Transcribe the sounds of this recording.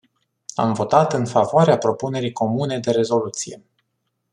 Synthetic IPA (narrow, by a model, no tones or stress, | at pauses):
a̰mvo̞t̪at̪ɨnfavoaɾeapɾo̞pune̞ɾijko̞mune̞d̪e̞ɾe̞zo̞lut̪sije̞̰